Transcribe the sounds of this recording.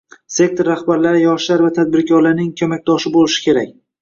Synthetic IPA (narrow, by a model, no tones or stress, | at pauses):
se̞k̚t̪ʰoɾːahbaɾlaɾɪjɒʃlaɾvat̪ʰad̪̚bɪɾkʲʰɒɾlaɾnɪŋkʲʰɵmak̚ʲd̪ɒʃɪbolɪʃɪ̥kʲe̞ɾakʲ